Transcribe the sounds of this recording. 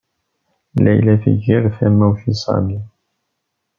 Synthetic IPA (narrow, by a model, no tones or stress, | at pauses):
læ̰jlæfḭʝiɾfæmːæwθisˤɑ̰mi